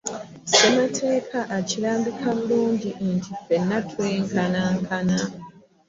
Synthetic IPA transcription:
sematʰe̞ːkʰaʔaciɾaːmbikʰaβuluːɲɟiʔntʰife̞nːatʰweːŋkanaŋkʰana

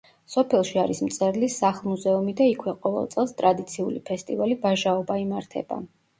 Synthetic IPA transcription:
sɔpʰɛlˠʃiaɾismt̪sʼɛɾlisaχlˠmuzɛumid̪aikʰwɛqʼɔvɛ̰lˠt̪sʼɛlˠst̪ʼɾad̪it̪sʰiulḭpʰɛst̪ʼivalibaʒaɔbaimaɾt̪ʰɛ̰ba̰

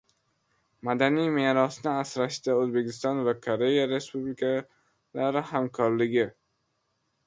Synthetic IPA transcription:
mad̪anijmeːɾɒsnɪasɾaʃt̪aɵzbe̞kʲɪst̪ɒnvakʰoɾe̞jaɾe̞spublɪkʰa | laɾɪhamkʰɒɾlɪɡʲɪ

